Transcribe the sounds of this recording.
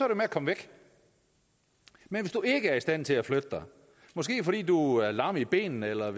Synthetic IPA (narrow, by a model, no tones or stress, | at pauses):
sɒæɐɾumeækʰɒ̽mʋeɡ̥ | menʋe̝sd̥ue̝ɡ̥əæɐisd̥æn̰t͡sʰe̝læflød̥əd̥ɑ̈ɪ | mɒ̽sɡ̥e̝̰ːfɒ̽d̥ḭːd̥uæɐlɑ̈məib̥e̝̰ːnn̩elɐ